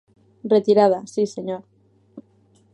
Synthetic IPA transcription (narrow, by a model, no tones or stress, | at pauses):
ret̪iɾað̞asiseɲoɾ